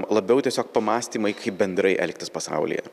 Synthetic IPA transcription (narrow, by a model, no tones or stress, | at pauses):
lˠɐbʲɛʊt̪ʲiɛsʲoːk̚pɐmɑːsʲt̪ʲiːmɐɪkʰɐɪp̚bʲɛnd̪ɾɐɪʔɛ̰lʲk̚ʲt̪ʲɪspɐsɑ̰ʊlʲɪ̰jɛ̰